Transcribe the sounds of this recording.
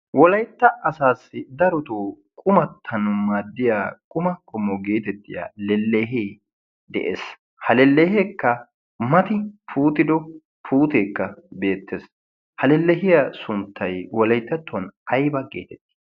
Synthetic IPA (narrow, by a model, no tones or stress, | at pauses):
wɔlɐjt̪ːɐʔɐsaːsːɪd̪ɐɾɔt̪uː | kʼʊmɐt̪ʰːɐnʊmaːd̪ːɪjaːkʼʊmɐkʰʼɔmːɔɡe̞ːt̪ɛt̪ːɪja̰ːlɛlːeːɦeː | d̪ɛ̰ʔḛːs | hɐlɛlːɛɦeːkːɐ | mɐt̪ɪpʰuːt̪ɪd̪ɔ | pʰuːt̪eːkːɐbe̞ːt̪ːes | hɐlɛlːɛɦɪjɐsʊnt̪ʰːɐjwɔlɐjt̪ːɐt̪ːɔnɐjbɐɡḛːt̪ɛt̪ːɪ̥